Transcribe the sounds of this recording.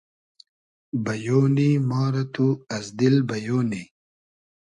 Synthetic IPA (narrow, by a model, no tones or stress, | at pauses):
bɐjoːnimɑːɾɐt̪uɐzd̪ilbɐjoːni